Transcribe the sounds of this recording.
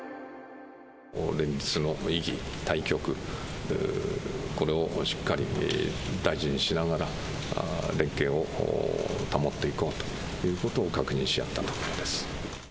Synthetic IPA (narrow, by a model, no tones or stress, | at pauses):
ɾẽ̞ɲ̟d͡ʑit͡sɨno̞iɡʲḭt̪aikʲo̞kɯ̟ | ko̞ɾe̞o̞ʔɕi̥kːaɾʲḭ | d̪aiʑiɲ̟iɕinaɡaɾa | ɾẽ̞ŋke̞ːo̞̰ | t̪amo̞t̪ːe̞iko̞ːt̪o̥ | jɯ̟ːko̞t̪o̞ːkakɯ̟ɲĩɕija̰t̪ːat̪o̥koɾod̪e̞sɨ̥